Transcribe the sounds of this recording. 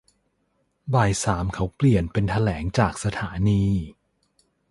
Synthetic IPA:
baː˨˩jsaː˩˦mkʰa˦˥wpli˨˩ənpe˧nt̪ʰa˧lɛː˩˦ŋt͡ɕaː˨˩k̚sa˧t̪ʰaː˩˦niː˧

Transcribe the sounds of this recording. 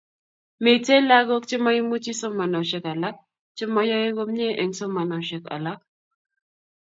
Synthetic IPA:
me˨te˦la˦ɡo˦kt͡ʃi˦ma˦ji˦mu˦t͡ʃi˦so˦ma˨nɔ˨ʃɛ˦ka˨la˦ | t͡ʃi˦ma˦jɔ˦e˦ɡo˦mɲe˦ʔɛ˨ŋso˦ma˨na˨ʃɛ˨ka̰˨la˦

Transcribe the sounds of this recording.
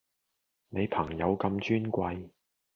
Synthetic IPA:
ne˨˧jpʰɐ˨˩ŋjɐ˨˧wkɐ˧mt͡ʃyː˥nkʷɐ˧j

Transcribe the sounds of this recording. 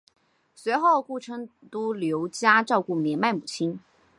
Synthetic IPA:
swe˧˥ɪxo˥˧ʊku˥˩ʈ͡ʂʰɤ˥ŋ | t̪u˥ljo˧˥ʊt͡ɕja˥ʈ͡ʂɑ˥˧ʊku˥˩mjɛ˧˥nma˥˩ɪmu˨˩t͡ɕʰi˥n

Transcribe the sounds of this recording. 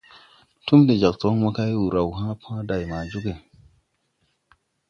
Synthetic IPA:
tu˦mdi˨d͡ʒa˨k̚to˨˦ma˦ka˦jwu˨ɾa˨wɦã˦pʰã˦da˨jma˨d͡ʒu˦ke˨

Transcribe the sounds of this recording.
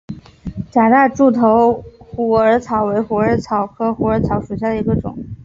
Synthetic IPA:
t͡ɕja˨˩t̪a˥˧ʈ͡ʂu˥˩t̪ʰo˧˥ʊxu˨˩ə˞˧˥t͡sʰɑ˧˥ʊwe˧˥ɪxu˧˥ə˞˧˥t͡sʰɑ˨˩ʊkʰɤ˥xu˧˥ə˞˧˥t͡sʰɑ˧˥ʊʂu˨˩ɕ̬ja˥˩d̪ə˩i˧˥ɡə˧ʈ͡ʂʊ̰˨˩˦ŋ

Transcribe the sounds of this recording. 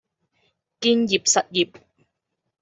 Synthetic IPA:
kiː˥nji˨p̚sɐ˨t̚ji˨p̚

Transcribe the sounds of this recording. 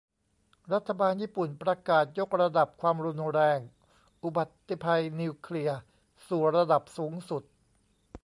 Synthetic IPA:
ɾa˦˥t̪ʰːa˧baː˧njiː˥˩pu˨˩npɾa˧kaː˨˩t̪̚jo˦˥k̚ɾa˧da˨˩p̚kʰwaː˧mɾu˧nɾɛː˧ŋ | ʔu˨˩ba˨˩t̪ːi˨˩pʰa˧jni˧kʰli˧ɐ | suː˨˩ɾa˧da˨˩p̚suː˩˦ŋsu˨˩t̪̚

